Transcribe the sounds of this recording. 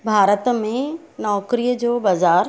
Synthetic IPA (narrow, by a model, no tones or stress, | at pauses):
bʱaːɾət̪mẽnɔːkɾijəd͡ʑoːbɐzaːɾ